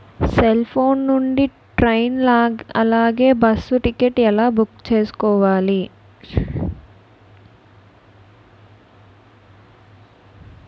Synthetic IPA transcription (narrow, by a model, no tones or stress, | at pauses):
selpʰo̞ːnːuɳɖi | ʈɾɐjnːɐ̰laːɡe̞ːbɐsːuʈikeʈːɛlaːbukt͡ʃe̞ːsu̥kɔːʋaːli